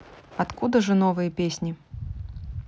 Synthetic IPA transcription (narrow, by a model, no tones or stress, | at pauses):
at̪kud̪ɐʐɐnɔvɨjɐpʲesʲnʲi